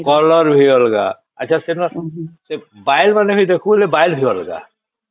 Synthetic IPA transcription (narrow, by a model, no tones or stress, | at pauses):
kɔlɔɾbʱiɔlɡa̰ | ɐ̰ːt͡ʃʰasenɔsebajlmaneɦojd̪ekʰulebajlbʱiwɔlɡa̰